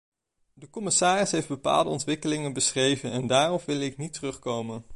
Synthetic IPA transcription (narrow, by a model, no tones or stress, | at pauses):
dəkɔmɪsaːrɪsɦejfd̚bəpa̰ːlˠdəɔntʋɪkəlɪŋənbəsrejvənɛndaːrɔpʋɪlˠɪk̚nitərɵχkowmən